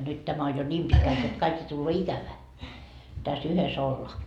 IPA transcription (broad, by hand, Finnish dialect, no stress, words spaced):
nyt tæmæ on jo nʲiːm pitkælt jot kɑik jo tulːoː ikæʋæː tæs yhes olːɑː